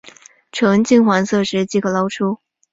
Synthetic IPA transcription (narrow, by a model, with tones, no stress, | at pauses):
ʈ͡ʂʰɤ˧˥ŋt͡ɕi˥ŋxwa˧˥nsɤ˥˧ʂɻ̩˥t͡ɕi˥ɡə˨˩lɑ˥ʊʈ͡ʂʰu˥